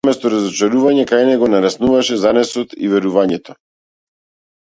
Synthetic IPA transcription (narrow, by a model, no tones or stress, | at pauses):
mɛst̪ɔɾazɔt͡ʃaɾuvaɲɛkajnɛɡɔnaɾasnuvaʃɛzanɛsɔt̪ḭvɛɾuvaɲɛt̪ɔ̥